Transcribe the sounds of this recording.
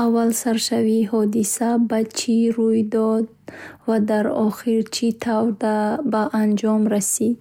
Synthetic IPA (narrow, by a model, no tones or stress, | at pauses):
avːalsaɾʃaviɦɔd̪isabat͡ʃʰiɾujd̪ɔd̪̚vad̪aɾɔχiɾt͡ʃʰit̪ʰavd̪abaʔand͡ʒɔmɾasid̪